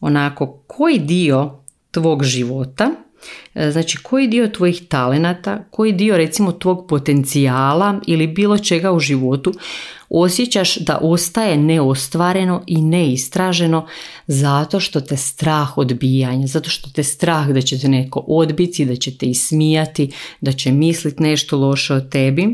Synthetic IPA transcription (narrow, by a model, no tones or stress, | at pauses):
o̞nako̞kʰo̞jid̪io̞ | t̪ʋo̞ːɡʒiʋo̞t̪a | znaːt͡ʃikʰo̞jid̪iːo̞t̪ʋo̞jixt̪ale̞nat̪a̰ko̞jid̪io̞ɾe̞t̪simo̞t̪ʋo̞ɡpo̞t̪e̞nt̪siaːlailibiːlˠo̞t͡ʃe̞ɡauʒiʋo̞t̪uo̞sjet͡ɕaʃd̪a̰ʔo̞st̪aje̞neo̞st̪ʋaːɾe̞no̞ʔineist̪ɾaʒe̞no̞ | zat̪o̞ʃt̪o̞t̪est̪ɾaːxo̞d̪biːjaɲazat̪o̞ʃt̪o̞t̪est̪ɾaːxd̪at͡ɕet̪̬ene̞ko̞ʔo̞d̪bit̪id̪at͡ɕe̞t̪eismijat̪id̪at͡ɕemislit̪ne̞ʃt̪o̞lo̞ʃeot̪e̞bi